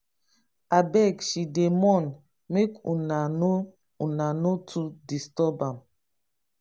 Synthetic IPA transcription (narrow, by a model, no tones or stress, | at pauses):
abɛkʃidemɔ̃n | mekunano | unanotʰudistɔbãm